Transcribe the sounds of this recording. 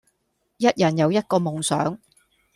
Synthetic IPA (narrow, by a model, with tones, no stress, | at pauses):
jɐ˥t̚jɐ˨˩njɐ˨˧wjɐ˥t̚kɔː˧mʊ˨˩ŋsœː˨˥ŋ